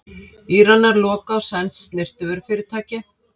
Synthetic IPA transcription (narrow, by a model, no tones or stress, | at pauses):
iːɾanːaɾlɔːkaːwsɛnsnɪr̥t̪ʏvɪɾfɪːɾɪɾ̥t̪ʰaːcɪ